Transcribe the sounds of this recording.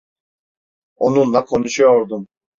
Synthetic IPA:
o̞nunlˠakʰo̞nuʃujoɾd̪um

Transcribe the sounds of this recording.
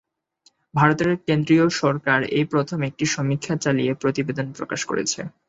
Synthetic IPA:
bʱaɾot̪eɾkend̪ɾioʃɔɾkaɾepɾot̪ʰomek̚ʈiʃɔmikʰːat͡ɕaliepɾot̪ibed̪onpɾo̰kaʃko̰ɾḛt͡ɕʰe

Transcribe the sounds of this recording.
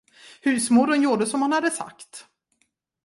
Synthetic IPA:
hʉ̟ːsmuːɾənjuːɖəsɔmhanhad̪əsa̰kt̪

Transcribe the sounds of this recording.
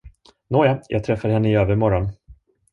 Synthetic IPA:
noːjajʔɑ̰ːɡt̪ʰɾɛfːaɾhɛnːəɪøːvəɾmɔɾɔn

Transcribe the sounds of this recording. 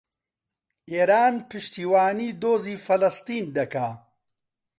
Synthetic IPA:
eːɾaːnpɨʃt̪iːwaːniːd̪oːziːfɐlɐst̪iːnd̪ɐkaː

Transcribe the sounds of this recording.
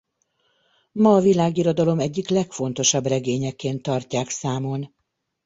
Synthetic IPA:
mɒːvilaːɡiɾo̞d̪ɒlo̞mɛɟːiklɛkfo̞n̪t̪o̞ʃɒbrɛɡeːɲɛkːeːnt̪ːɒrcaːksaːmo̞n

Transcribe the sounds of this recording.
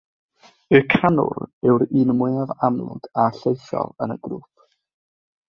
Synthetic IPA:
əkʰanʊ̰ɾɛwɾinmʊjavamlˠʊ̰d̥aɬejθɔ̰lˠənə̰ɡruːp̚ʰ

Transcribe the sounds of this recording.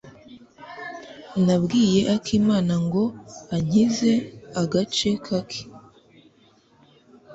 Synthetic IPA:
nabɡiːje̞ʔakʰiːmaːnaŋɡo̞aɲ̥ize̞aɡat͡ʃe̞kʰakʰi̥

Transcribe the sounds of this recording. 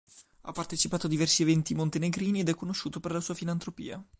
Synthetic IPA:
a̰pːart̪et͡ʃipaːt̪oad̪ivɛrsievɛnt̪imont̪eneɡɾiːnied̪ɛkːonoʃːuːt̪operlasuːafilant̪ɾopḭːa

